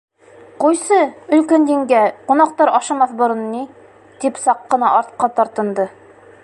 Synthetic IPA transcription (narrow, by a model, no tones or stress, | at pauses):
qujsɤɵ̆lkænd̪iŋɡæqunɑqt̪ɑɾɒʃɑmɑθbŏɾɤ̆nːi | t̪ipsɑqːɤ̆nɑʔɒɾt̪̚qɑt̪ɒɾt̪ɤ̆nd̪ɤ